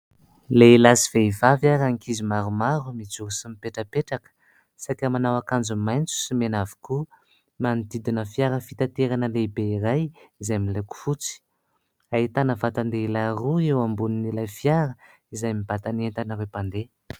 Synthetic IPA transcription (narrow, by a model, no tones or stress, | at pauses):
leilasiv̥eivavjaɾaŋkizimaɾumaɾumid͡zuɾisimipeʈ͡ʂəpeʈ͡ʂakə̥ | sakamanawakand͡zumajnt͡su̥simenavi̥ku | manid̪id̪inəfiaɾəfit̪at̪eɾanəlebeiɾajizajmileku̥fut͡si̥ | ait̪anəvat̪and̪eilaɾuewambuninilajfiaɾə | izajmib̥at̪anent̪anəɾewpand̪e